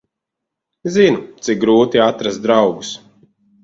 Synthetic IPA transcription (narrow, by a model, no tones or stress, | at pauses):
zinut̪sik̚ɡɾuːt̪iat̪ɾast̪d̪ɾawɡus